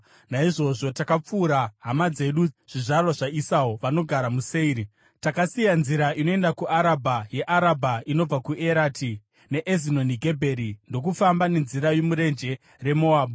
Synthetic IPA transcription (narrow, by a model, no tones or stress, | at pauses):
naiʐo̞ʐo̞takap͡fuːɾaɦamad͡ze̞ɗuʐ̥iʐarwaʐaisaoʋano̞ɡʱaɾamuseiːɾi | takasijanziɾaʔino̞e̞ndakuʔaɾabʱaje̞ʔaɾabʱaino̞b͡vakuʔe̞ɾati | ne̞ʔezino̞niɡʱe̞bʱe̞ɾindo̞k̬ufambane̞nziɾajo̞muɾe̞nd͡ʒe̞ | re̞mo̞aːɓu